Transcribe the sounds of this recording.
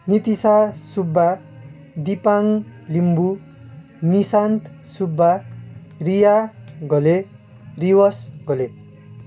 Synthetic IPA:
nit̪isasubːa | d̪ipaŋlimbu | nisant̪ | subːa | rijaɡʌle | riwʌsɡʌle

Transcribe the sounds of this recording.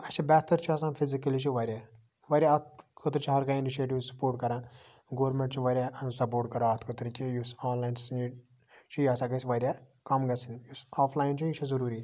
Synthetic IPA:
ɐt͡ʃʰibɛːt̪ːɐɾt͡ʃʰiɐsãːfʰizikɐlit͡ʃʰiʋɐɾʲaː | ʋɐɾʲjaɐt̪kʰot̪ɾt͡ʃʰiɦɐɾkainiʃeːʈiʋsɐ̥poːɾʈ̚kɐɾãː | ɡoːɾmeɳʈt͡ʃʰiʋɐɾʲjasɐp̬oːɾʈkɐɾãɐt̪ʰkʰot̪ɾt͡ʃʲʰijusaːnlaːjnsneː | t͡ʃʰijaːsãːkɐsʋɐɾʲja | kɐmɡɐsinjusaːfʰlaːjint͡ʃʰujit͡ʃʰɐzɐɾuːɾiː

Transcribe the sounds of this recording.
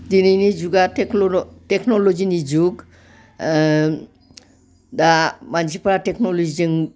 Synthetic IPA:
d̪ininid͡ʑuɡaekʈeknolod͡ʑinid͡ʑuɡ | damant͡ʃipaɾaʈeknolod͡ʑid͡ʑeŋ

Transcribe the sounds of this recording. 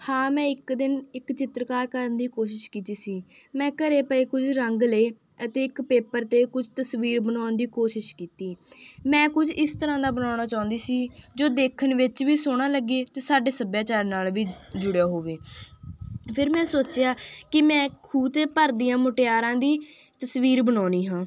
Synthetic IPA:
hãːmɛ̃ːɪkd̪ɪnɪkt͡ʃɪt̪ɾkaːɾkəɾənd̪iːkoːʃɪʃkiːt̪iːsiːmɛ̃ːkəɾeːpəiːkʊd͡ʒʰɾəŋɡleː | ət̪eːɪkpeːpəɾt̪eːkʊt͡ʃʰt̪əsʋiːɾbənaːnd̪iːkoːʃɪʃkiːt̪iːmɛ̃ːkʊt͡ʃʰɪst̪əɾãːd̪aːbənaːɽ̃aːt͡ʃaːʊ̃nd̪iːsiːd͡ʒoːd̪eːkʰənʋɪt͡ʃʋiːsoːɽ̃aːləɡeːt̪eːsaːɖeːsəbjaːt͡ʃaːɾnaːlʋiːd͡ʒʊɽejaːɦoːʋeː | pʰɪɾmɛ̃ːsoːt͡ʃjaːkɪmɛ̃ːkʰuːt̪eːpəɾd̪ijãːmʊʈejaːɾãːd̪iː | t̪əsʋiːɾbənaːniːɦãː

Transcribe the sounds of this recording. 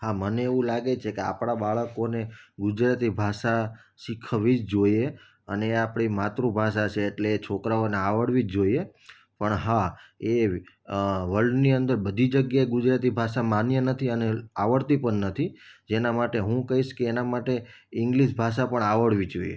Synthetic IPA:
haməneeʋũlaɡet͡ʃʰekea̰pɽ̃abaɭəkoneɡʊd͡ʒɾat̪ibʱaʃaʃikʰʋid͡ʒd͡ʒoje | əneapɽ̃imat̪ɾũbʱaʃ̬at͡ʃʰeːʈleːt͡ʃʰokɾaoneaʋəɽʋid͡ʒd͡ʒoie | pəɳɦae | ʋəlɖniənd̪əɾbəd̪ʱid͡ʒəɡjaeɡʊd͡ʒɾat̪ibʱaʃamanjənət̪ʰiəneaʋəɽt̪ipəɳnət̪ʰid͡ʒenamaʈeɦũkəɦiʃkeːnamaʈe | ɪŋɡliʃbʱaʃapəɳaʋəɽʋid͡ʒoiḛ

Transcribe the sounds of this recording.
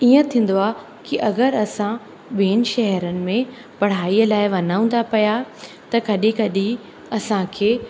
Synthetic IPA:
iːə̃t̪ʰĩːn̆d̪oaː | kiʔɐɡəɾɐsã | ɓeːnɪʃɛɦɛɾənɪ̆mẽ | pɐɽ̤aːiəlaːɪʋɐnaːũn̆d̪apɐja | t̪ɐkɐɗikɐɗi | ɐsãkʰeː

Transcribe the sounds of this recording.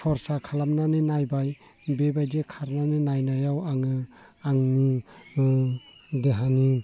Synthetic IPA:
sʰɔɾsakʰalamnanɯnajbaj | bebajdekʰaɾnanɯnajnajawaŋɯ | aŋni | deɦani

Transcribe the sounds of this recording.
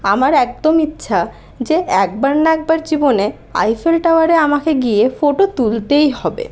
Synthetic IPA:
amaɾɛk̚d̪omitːɕʰa | d͡ʑeɛk̚baɾnaɛk̚baɾd͡ʑibone | a̰jfelʈawaɾeamakeɡiefoʈot̪ult̪ejɦɔbḛ

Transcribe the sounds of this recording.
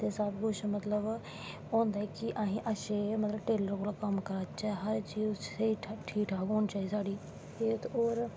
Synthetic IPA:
t̪esaːbɡʊʃmɐt̪ləb | õːnd̪aɛkiʔaːɦĩʔɐʃemɐt̪ləbʈeːləɾkoːlakəmkəɾat͡ʃaːɦɐɾt͡ʃiːzseiʈʰʈʰiːkʈʰaːkoːnt͡ʃaːisaːɖiː | eːt̪ʰoːɾ

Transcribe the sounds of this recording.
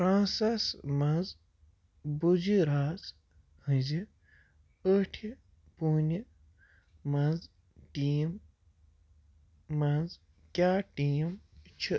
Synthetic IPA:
ɾãːsɐsmɐz | bud͡ʒiɾaːz | hɨ̃zi | əʈʰi | puːnʲi | mɐnz | ʈim | ɐz | kʲaːʈiːmt͡ʃʰi

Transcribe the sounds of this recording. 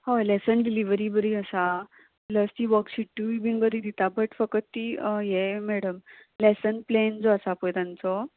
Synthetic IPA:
holɛsənɖiliʋəɾibəɾiəsa | pləst̪iːʋəkɕiʈːuʋibĩŋɡbəɾid̪it̪abəʈfəkət̪ːiːjemɛɽəmlɛsənplend͡zɔəsapojt̪ãnt͡sɔ

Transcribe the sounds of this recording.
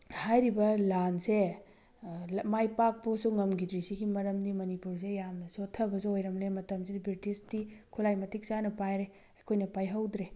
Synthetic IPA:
hajɾibɐlanse | majpak̚posuŋɐmɡidɾisiɡimɐɾɐmnimɐnipuɾs̬ejamnɐsotʰɐbɐsuojɾɐmlemɐtɐmsidibɾitistikʰulajmɐtʰik̚sanɐpajɾe | ɐkʰojnɐpajɦɐwdɾe

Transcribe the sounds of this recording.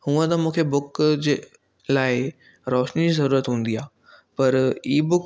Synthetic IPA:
hũːə̃t̪ɐmũːkʰebʊkd͡ʑeː | laːɪ | ɾɔːʃnid͡ʑiːzɐɾuːɾət̪ɦũːnd̪iaː | pɐɾiːbʊk

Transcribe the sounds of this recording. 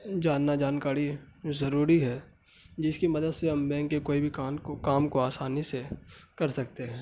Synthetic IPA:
d͡ʒaːnːad͡ʒaːnkaːɾi | zɐɾuːɾiɦɛː | d͡ʒɪskimɐd̪əd̪seɦɐmbɛ̃ːŋkːekoːibʱikakaːmkoaːsaːnisekɐɾsɐk̚t̪eɦɛ̃ː

